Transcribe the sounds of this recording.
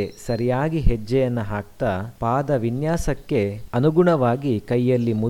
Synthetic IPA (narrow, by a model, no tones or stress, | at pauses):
esɐɾijaːɡiɦɛd͡ʒːɛjɐnːɐɦaːk̚t̪apaːd̪ɐʋinjaːsɐkːe̞ɐnuɡuɳɐʋaːɡikɐjːɐlːimu